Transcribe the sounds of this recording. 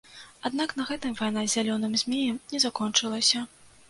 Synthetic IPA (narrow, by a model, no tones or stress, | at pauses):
ad̪nakn̪ɐɣɛt̪ɨmvajnazʲalʲɔnɨmzʲmʲejɛmnʲɛzakɔnt͡ʂɨlˠɐsʲɐ